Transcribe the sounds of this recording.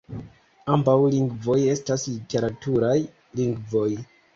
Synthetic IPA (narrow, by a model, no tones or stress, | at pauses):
ambawliŋɡvo̞je̞staslite̞ɾatuɾaj | liŋɡvo̞j